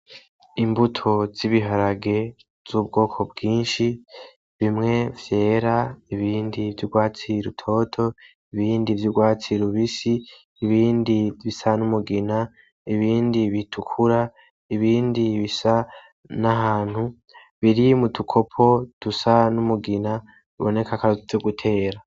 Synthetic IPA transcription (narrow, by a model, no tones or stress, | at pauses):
imbutʰo̞ziβiɦaɾaɡe̞ | z̥uːb̚ɡo̞ːkʰo̞b̚ɡiːnʃi | βimŋe̞vje̞ːɾaiβiːndivjuɡwaːt͡siɾutʰo̞ːtʰo̞ | iβiːndivjuɡwaːt͡siɾuβisiː | βiːndiβisanumuɡina | iβiːndiβitʰukʰuɾa | iβiːndiβisa | naɦaːn̥hu | βiɾimutʰukʰo̞pʰo̞tusanumuɡina | βo̞̰ne̞kakavoɡutʰe̞ːɾa